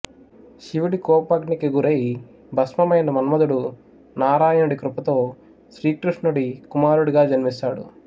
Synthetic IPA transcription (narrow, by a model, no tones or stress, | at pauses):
ʃiʋiɽikɔːpaɡnikiɡuɾeji | bʱɐsmɐmɐjnɐmɐnɐmɐd̪uɽu | naːɾaːjɐnɐɽikɾupɐt̪oː | ʃɾiːkɾuʂnuɽikumaːɾuɽuɡaːd͡ʒɐnimisaːɽṵ